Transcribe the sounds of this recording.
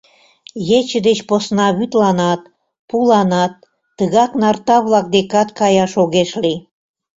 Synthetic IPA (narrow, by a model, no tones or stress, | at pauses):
jet͡ɕə̆d̪et͡ɕposnɑβyt̪lɑnɑt̪̚ | pulɑnɑt̪̚ː | əɣɑknɑrt̪ɑβlɑk̚d̪ekɑt̪kɑjɑʃoɣeʃli